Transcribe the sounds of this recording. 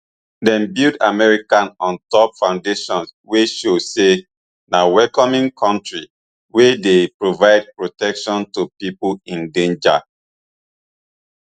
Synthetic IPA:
dɛ̃nbilda̰mɛɹikãnɔ̃ntɔpfãʊ̃ndeʃɔ̃nsweʃose | nawɛkɔmĩŋkʰɔ̃ntɹi | wedepɹovaɪd̚pɹotɛkʃɔ̃ntupipuĩndẽnd͡ʒa̰

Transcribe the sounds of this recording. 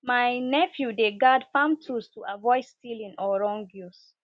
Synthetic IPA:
majnɛfjudeɡadfãmtʰustuʔavɔɪstilĩnɔɹɔ̃ŋɡjus

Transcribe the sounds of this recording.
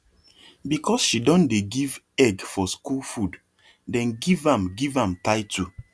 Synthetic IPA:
bikʰɔsʃidɔ̃ndeɡiv | ɛɡfɔskulfud | dɛ̃nɡivãmɡivãmtaɪtu

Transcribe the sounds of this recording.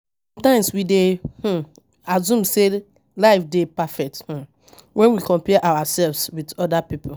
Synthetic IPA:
sɔ̃mtãɪ̃mswideh̩ | azũmse | laɪfdepafɛk̚th̩ | wɛ̃nwikɔ̃mpɛʔawasɛlvswidɔdapipʰo

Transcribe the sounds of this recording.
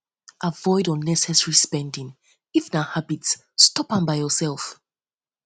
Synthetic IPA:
ʔavɔɪdɔ̃nːɛsɛsɹispɛ̃ndĩŋ | ifnahabitsː | tɔpãmbaɪjɔsɛlˠf

